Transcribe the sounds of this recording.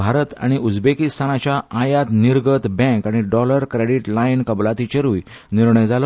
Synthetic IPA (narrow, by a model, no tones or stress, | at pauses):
bʱaɾət̪a̰ɽ̃iʔud͡zbekist̪ʰanat͡ɕjaajat̪niɾɡət̪bɛ̃kaɽ̃iɖɔləɾkɾeɽiʈlainkəblat̪it͡ɕəɾuːjniɾɳəjd͡zal